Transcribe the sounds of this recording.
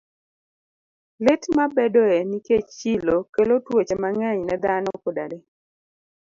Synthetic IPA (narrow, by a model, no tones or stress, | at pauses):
lɪtmabedɔɛniket͡ʃilokelotwet͡ʃemaŋɛɲnɛd̪anɔkoda̰de